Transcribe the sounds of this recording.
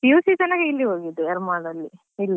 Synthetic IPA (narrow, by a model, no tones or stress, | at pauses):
iusid͡ʒɐnɐɡeilːiɦoːɡid̪ːuɛɾmaːɖɐlːi | ilːi